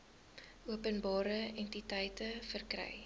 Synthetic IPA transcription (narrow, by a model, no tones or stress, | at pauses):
uəpənbɑːɾəɛntitəjtəfərkrɛ̰j